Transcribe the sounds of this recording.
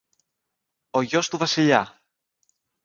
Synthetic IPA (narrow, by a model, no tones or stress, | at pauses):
o̞ʝo̞st̪uvɐsiʎɐ